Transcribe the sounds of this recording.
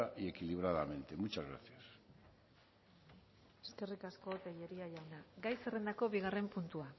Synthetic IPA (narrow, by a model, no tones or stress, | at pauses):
aʔie̞kiliβ̞ɾaðamẽ̞nt̪e̞mut͡ʃazɣɾa̰θjas | eske̞rikasko̞t̪ejeɾiaʎawnaɡajse̞re̞nd̪ako̞βiɣ̞are̞mpunt̪ua